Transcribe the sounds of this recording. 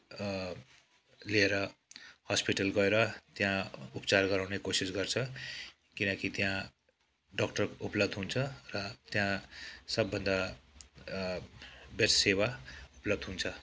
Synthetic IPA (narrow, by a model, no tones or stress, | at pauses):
lieɾʌhʌspiʈʌlɡʌeɾʌt̪jãupt͡sarɡʌɾaw̃nekosisɡʌrt͡sʰʌ | kinʌkit̪jã | ɖʌkʈʌruplʌbd̪ɦunt͡sʰʌrʌt̪jãsʌbːʌnd̪a | bessewauplʌbd̪ʱɦunt͡sʰʌ